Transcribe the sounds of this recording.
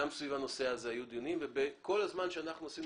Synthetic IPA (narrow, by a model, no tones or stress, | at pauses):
amsvivano̞seazeajud̪ionimvebeko̞lazmanʃeanaχnuasim